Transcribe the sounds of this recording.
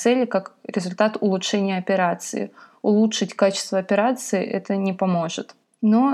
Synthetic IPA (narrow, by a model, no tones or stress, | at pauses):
sɛlʲɪkakɾʲɪzʊlʲt̪at̪ʊlˠʊtʂɛnʲɪjəɐpʲɪɾat̪sɨ̰ɪ̰ | ʊlˠutʂɨtʲkat͡ɕɪst̪vəɐpʲɪɾat̪sɨɪʔɛ̰t̪ənʲɪpɐmo̞ʐɨt̪ | no